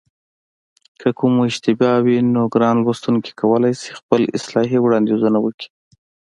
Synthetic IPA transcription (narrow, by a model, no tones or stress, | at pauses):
kʰəkumoɪʒt̪ɪbɑwinoɡɾɑnlwast̪unki̥kawəlajsi̥xpəlɪ̰slɑɦiwɽɑnd̪izunawəki̥